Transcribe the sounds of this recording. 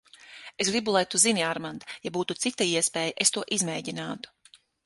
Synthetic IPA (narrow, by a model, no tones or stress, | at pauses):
esɡɾibulˠajt̪uziniaɾmand̪ajabuːt̪ut̪sit̪aiɛspeːjaʔest̪uɔʔizmɛːɟinaːt̪u̥